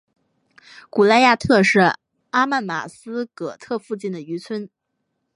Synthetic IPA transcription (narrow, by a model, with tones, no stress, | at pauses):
ku˨˩la˥˧ɪja˥˧t̪ʰɤ˥˧ʂɻ̩˥˩ | a˥ma˥˩nma̰˨˩sɹ̩˥kɤ˨˩t̪ʰɤ˥˧fu˥˧t͡ɕi˥˩nd̪ə˩y˧˥t͡sʰwə˥n